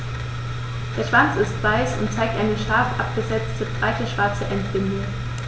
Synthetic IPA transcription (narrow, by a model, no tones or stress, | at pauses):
d̥eːɐʃv̥ant͡sɪstv̥aɪsʊ̰ntt͡saɪk̚tʔaɪnəʃaːfʔap̚ɡ̥əzɛt͡stʰəb̥ʁaɪtəʃv̥aɐt͡səʔɛntb̥ɪndə